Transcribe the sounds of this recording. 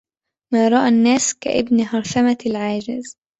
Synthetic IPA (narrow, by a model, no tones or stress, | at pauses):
maːɾˤɑʔanːaːska̰ʔɪbnɦɑɾˤʃamalʕaːd͡ʒɪz